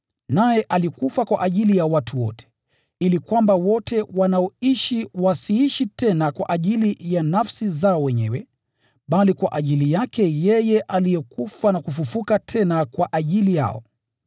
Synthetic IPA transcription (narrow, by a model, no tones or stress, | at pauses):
najɛʔalikufakwa̰ʔaʄilijawatʰuwɔ̰tɛ̥ | ilikwambawɔtʰɛwanaɔiʃiwasiiʃitɛnakwa̰ʔaʄilijanafsizaɔwɛɲɛ̰wɛ | ɓalikwaʔaʄilijakɛjɛjɛʔalijɛkufanakufufukatʰɛnakwaʔaʄilija̰ɔ̰